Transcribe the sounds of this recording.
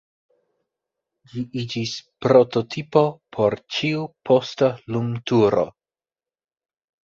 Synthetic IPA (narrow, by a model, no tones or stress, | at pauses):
d͡ʒiʔid͡ʒispɾo̞totʰipo̞pʰo̞ɾt͡ʃiupʰo̞staluŋtuɾo̰